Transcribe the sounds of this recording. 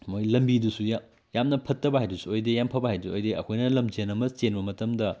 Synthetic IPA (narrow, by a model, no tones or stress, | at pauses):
mojlɐmbidusuja | jamnɐpʰɐtːɐbɐɦajdusuojdejampʰɐbɐɦajduojdeɐ̰kʰojnɐlɐmd͡ʒenɐmɐst͡ʃenbɐmɐtɐmdɐ